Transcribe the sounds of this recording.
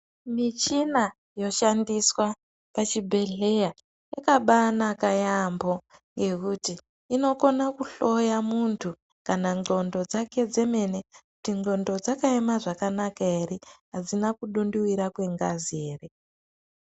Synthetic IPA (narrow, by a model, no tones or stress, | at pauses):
mit͡ʃina | jo̞ʃandiswa | pat͡ʃibʱe̞ɮe̞ja | jakaɓanakajambo̞ | ŋɡe̞kutiː | no̞ko̞nakuɬo̞jamuntʰu | kanaŋŋ͡ǃo̞ndo̞d͡zake̞d͡ze̞me̞ne̞kutiŋo̞ndo̞d͡zakaemaʐakanakaeɾiɦad͡zinakuɗunduwiɾakwe̞ŋɡazeːre